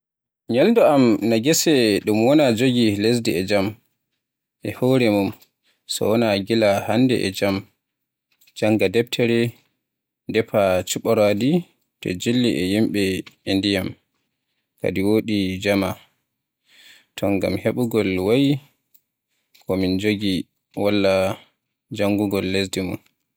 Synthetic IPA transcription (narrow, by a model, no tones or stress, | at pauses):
ɲalndɔamnaɡɛsɛɗumwɔnad͡ʒoɡiles̬dɛɛd͡ʒam | ʔɛhɔɾɛmum | sɔ̰wɔnaɡilahandɛ̰ʔɛ̰d͡ʒam | d͡ʒaŋɡadɛp̚tʰɛɾɛ | dɛpat͡ʃuɓɔɾadi | tɔ̰d͡ʒilːiʔɛjimɓɛindijam | ka̰diwoɗid͡ʒama | tʰɔŋɡa̰mheɓuɡɔlwaji | kʰɔmind͡ʒoɡi | walːa | d͡ʒaŋɡuɡɔlːesdimṵn